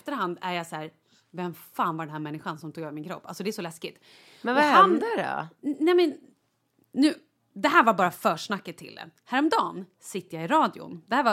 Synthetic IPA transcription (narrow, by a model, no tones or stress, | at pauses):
ft̪əɾɦand̪æɾjasæːɾ | vɛmfaːnvad̪ɛnhæːɾmɛnːɪɧansɔmt̪uːɡøːvəɾmɪnkʰɾɔ̰pːalsɔd̪ɛæʂɔlɛskɪt̪ | mɛand̪æɾɔ̰nɛmɛn | nʉ̟ː | d̪ɛɦæːɾvaɾbɑːɾafœːʂɳakːət̪ʰːɪ̰ld̪ɛ̰hæːɾɔmd̪ɑːn | sɪt̪ːəjaɪɾɑːd̪ɪʊ̰nd̪ɛhæːɾva